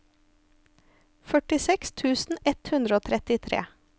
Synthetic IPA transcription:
fœʈɪsɛkst̪ʰʉːsn̩ɛt̪hʉnd̪ɾəoːt̪ʰɾɛt̪ɪt̪ʰɾḛː

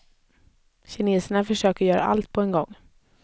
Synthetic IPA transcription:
ɕɪneːsəɳafœʂøːkəɾjœːɾa̰ʔa̰lt̪̚pʰɔɛnɡɔŋː

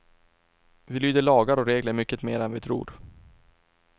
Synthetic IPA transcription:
vɪlyːd̪əɭɑːɡaɾɔɾeːɡləɾmʏkːət̪meːɾɛnvɪt̪ʰɾṵːɾ

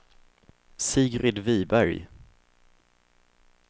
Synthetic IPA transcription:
siːɡɾɪd̪viːbæɾj

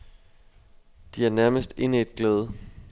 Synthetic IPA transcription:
d̥iæɐnæɐməsd̥e̝nɛe̝d̥ɡ̥leːð̞ˠə

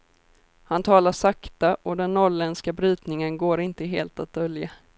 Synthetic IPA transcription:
hant̪ʰɑːlaʂakt̪aʔɔd̪ɛnːɔɭɛnskabɾyːt̪nɪŋənɡoːɾɪnt̪əɦeːlt̪at̪̚d̪œlja

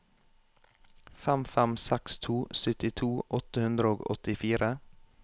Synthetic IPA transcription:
fɛmfɛmsɛkst̪ʰuːsʏt̪ɪt̪ʰuːʔɔt̪əhʉnd̪ɾəoːɡɔ̰t̪ɪfiːɾə

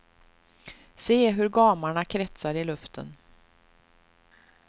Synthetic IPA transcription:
seːɦɵɾɡɑːmaɳakʰɾɛt̪saɾɪlɵft̪ʰə̰n

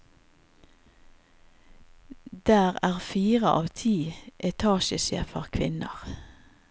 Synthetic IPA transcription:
d̪̥æːʁæːʁfiːʁəʔɑ̰ːʋt̪ʰiːʔɛt̪ʰɑːʃəsɛ̰ːfəʁkʰʋɪnə̰ʁ

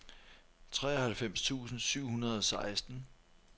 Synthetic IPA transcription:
t͡sʰʁɛ̰ːɒhælfem̰st͡sʰṵːsn̩syʊ̰hunɐð̞̩ˠɒ̽sɑ̈ɪsd̥n̩

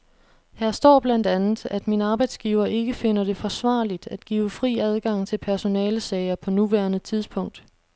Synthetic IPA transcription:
hæɐsd̥ɒ̰ːb̥lænd̥ænð̩ˠæd̥minəɑ̈ːb̥ɑ̈ɪd̥sɡ̥iːʊɐʔe̝ɡ̥əfe̝n̰ɐɾe̝fɒ̽sʋɑ̰̈ːlid̥æd̥ɡ̥ḭːʊfʁḭːæð̞ˠɡ̥ɑ̈ŋ̰t͡sʰe̝lpʰæɐso̝nɛːləsɛɪɐpʰɒ̽nuʋæɐnət͡sʰið̞ˠspʰɔ̽ŋ̰d̥

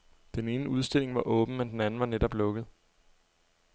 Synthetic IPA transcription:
d̥ene̝ːnəuð̞ˠsd̥e̝l̰e̝ŋʋɑ̈ʔɔ̽ːb̥n̩mend̥enænn̩ʋɑ̈nedɒ̽b̥lɔ̽ɡ̥ð̞̩ˠ

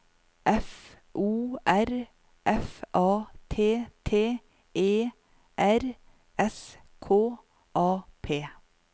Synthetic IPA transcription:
ʔɛf | ʔuːæɾ | ʔɛfʔɑːt̪ʰeːt̪ʰeː | ʔeː | ʔæɾ | ɛs | kʰoː | ʔɑːpʰeː

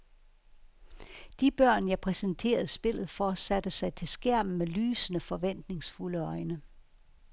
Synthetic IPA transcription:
d̥ib̥ɶɐ̰njɑ̈ɪpʰʁɛsənt͡sʰe̝̰ːɐð̞̩ˠsb̥e̝l̰ð̞̩ˠfɒːsæd̥əsɑ̈ɪt͡sʰe̝lsɡ̥æɐ̰m̩melyːsənəfɒ̽ʋen̰d̥ne̝ŋsfuləɒ̽ɪnə

